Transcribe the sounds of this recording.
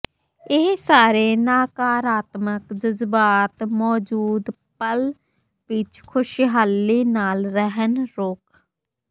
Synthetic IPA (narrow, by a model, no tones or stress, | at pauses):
ɪːsaːɾeːnaːkaːɾaːt̪məkd͡ʒəzbaːt̪mɔːd͡ʒuːd̪ | pəl | pit͡ʃʰkʰʊʃiɦalːiːnaːlɾəɦənɾoːk